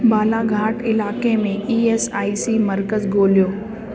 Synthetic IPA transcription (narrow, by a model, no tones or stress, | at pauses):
baːlaɡʱaːʈɪlaːkemẽiːeːsaːisimɐɾkəzɡʱoːlijoː